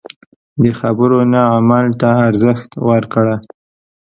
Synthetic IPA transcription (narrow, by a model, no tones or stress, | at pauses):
d̪əxabəɾonaamalt̪aːɾzəxt̪waɾkɽa